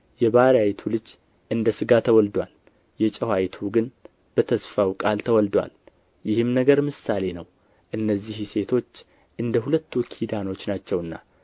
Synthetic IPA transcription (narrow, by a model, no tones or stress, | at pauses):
jɛβaɾjajt̪ʰulɨd͡ʒ | ʔɨnd̪əsɨɡat̪ʰəwɔld̪wal | jɛt͡ʃʼɛhwajt̪ʰuɡɨn | b̥ət̪ʰəsfawkʼalt̪ʰəwɔld̪wa̰l | jɪhɨmnəɡəɾmɨsale̞nəw | ʔɨnːəzːihse̞t̪ʰo̞t͡ʃː | ʔɨnd̪əhulət̪ːukʰid̪ano̞t͡ʃːnat͡ʃːɛwɨnːa̰